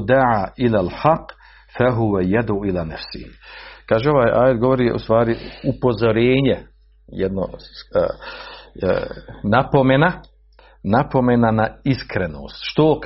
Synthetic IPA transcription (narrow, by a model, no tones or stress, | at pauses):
d̪aʕaːʔilaːlħaqː | faɦuwajad̪uilaːnafsɪ̰hikaːʒeo̞ʋaːjʔaːjet̪ɡo̞ʋoɾiʔṵst̪ʋaːɾiupo̞zoɾeːɲe | jɛd̪no̰ | napo̞mena | napo̞menanaiskɾeno̰ːst̪ʃt̪o